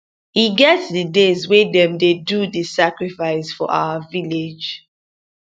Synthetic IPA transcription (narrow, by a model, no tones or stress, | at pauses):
hiɡɛtsdidezwedɛ̃mdedudisakɹifaɪsfɔʔa̰ʊəviled͡ʒ